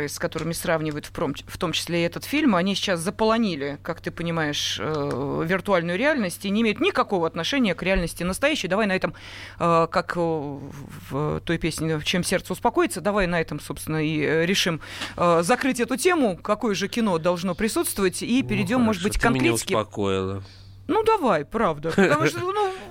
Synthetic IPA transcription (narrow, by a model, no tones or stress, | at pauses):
ɨskɐt̪o̞ɾɨmʲɪsravnʲɪvəjʊt̪fpomft̪o̞mt͡ɕɪ̥sʲlʲeɛt̪ət̪fʲilʲmɐnʲisʲɪ̥t͡ɕaszəpəlˠɐnʲilʲɪkakt̪ɨpənʲɪmajɪʂəvʲɪrt̪ʊalʲnʊjʊɾʲɪalʲnəsʲtʲinʲɪːmʲejʊt̪nʲɪkɐko̞vəɐt̪nɐʂɛnʲɪjəkɾʲɪalʲnəsʲtʲɪnəst̪ɐjæɕːɪjəd̪ɐvajnɐɛt̪əm | əkak | vt̪o̞jpʲesʲnʲɪt͡ɕemsʲe̞rt̪səʊspɐko̞jɪt̪səd̪ɐvajnɐɛt̪əmso̞pst̪vʲɪnəiɾʲɪʂɨməzɐkɾɨtʲɛt̪ʊtʲe̞mʊkɐko̞jʊʐɨkʲɪno̞d̪ɐlˠʐno̞pɾʲɪsut̪st̪vəvətʲipʲɪɾʲɪdʲo̞mːo̞ʐɨt̪bɨtʲkkːɐnʲɾeskʲɪɐko̰ɪ̰lˠə̰ | nud̪ɐvajpɾavd̪əpət̪ɐmuʂt̪ənu